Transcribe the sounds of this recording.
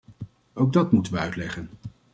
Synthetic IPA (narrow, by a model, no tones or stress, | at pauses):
owɡ̚dɑtmutənʋəœɥtlɛχən